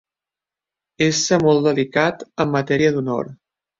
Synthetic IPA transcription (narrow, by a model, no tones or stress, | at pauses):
esəmɔlˠd̪əlikat̪əmːət̪ɛɾiəd̪unɔ̰ɾ